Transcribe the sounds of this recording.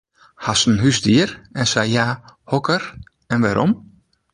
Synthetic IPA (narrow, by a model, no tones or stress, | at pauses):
hasn̩ɦysdiəɾɛnsajjaːhɔkər | ɛnʋaɾʔɔm